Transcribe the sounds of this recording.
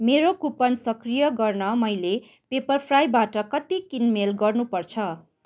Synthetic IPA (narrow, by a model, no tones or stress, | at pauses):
meɾokupʌnsʌkrijʌɡʌrnʌmʌjle | pepʌrpʰrajbaʈʌkʌt̪ikinmelɡʌrnupʌrt͡sʰʌ